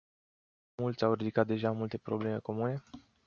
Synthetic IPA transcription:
mult̪sʲawɾid̪ikat̪̚d̪e̞ʒamult̪e̞pɾo̞ble̞me̞ko̞mune̞

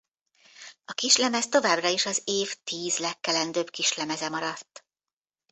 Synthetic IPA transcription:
ɒkiʃlɛmɛst̪o̞vaːbrɒiʃɒzeːft̪iːzlɛkːɛlɛnd̪øːbkiʃlɛmɛzɛmɒɾɒt̪ː

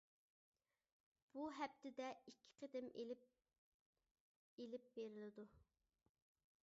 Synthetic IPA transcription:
b̥uɦɛp̚t̪ʰɪd̪ɛikʲʰːɪ̥qʰəd̪ɪmelɪ | elɪp̚beɾɪlɪd̪u

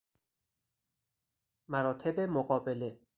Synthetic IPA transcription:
mæɾɒːt̪ʰebemoɣɒːbele

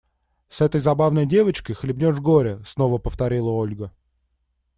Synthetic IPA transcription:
sɛt̪əjzɐbavnəjdʲe̞vət͡ɕkəjxlʲɪbnʲoʐɡo̞ɾʲɪsno̞vəpəft̪ɐɾʲilˠəo̞lʲɡə

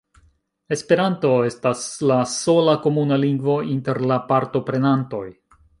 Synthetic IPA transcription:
e̞spe̞ɾanto̞e̞staslaso̞lako̞munaliŋɡvo̞inte̞ɾlapaɾto̞pɾe̞nanto̞j

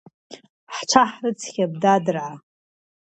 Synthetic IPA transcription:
ħt͡ʃʷʰaħrɨt͡sʰχʲab̚dadɨrʕa

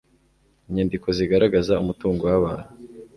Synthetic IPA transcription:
iɲeːndiko̞ziɡaɾaɡazaumutuːŋɡowaβaːha

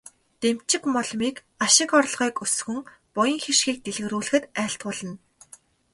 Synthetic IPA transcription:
t̪em̥t͡ɕɪ̆kmɔɮmiːk | aʃɪ̆kɔrɮʁiːkɵsxɵ̆ŋ | pʊjə̆ŋxeʃxiːk̚t̪eɮ̆ɣ̆ɾuːɮɘ̆xɘ̆t̪æːɬt̪ɢʊːɮə̆n

